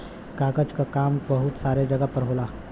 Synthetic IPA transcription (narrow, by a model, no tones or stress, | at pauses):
kaːɡəd͡ʒkakaːmbəɦʊt̪saːɾed͡ʒəɡapəɾɦoːlaː